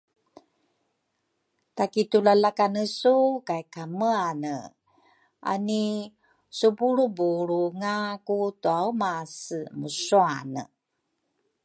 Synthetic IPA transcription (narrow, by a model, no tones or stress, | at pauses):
takitulalakanəsukaikaməanə | ʔa̰ni | subuɾubuɾuŋakutuaumasəmusuanə̰